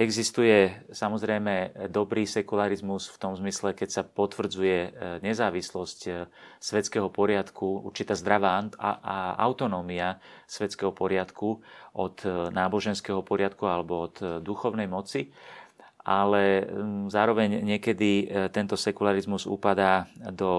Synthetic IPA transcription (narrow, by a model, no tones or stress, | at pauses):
ɛɡzist̪ujɛsamɔzɾɛjmɛd̪ɔbɾiːsɛkulaɾizmusft̪ɔmzmislɛkɛcsapɔt̪ʋr̩d͡zujɛɲɛzaːʋislɔscsʋɛt͡skɛɦɔpɔɾɪat̪kuṵɾt͡ʃit̪aːzd̪ɾaʋa | a̰ʊt̪ɔnɔːmiasʋɛt͡skɛɦɔpɔɾɪat̪kuʔɔd̪naːbɔʒɛnskɛɦɔpɔɾɪat̪kualɛbɔɔd̪d̪uxɔʊnɛjmɔt͡si | ʔalɛzaːɾɔʋɛɲɲɪɛkɛd̪it̪ɛnt̪ɔsɛkulaɾizmuzṵpad̪aːd̪ɔ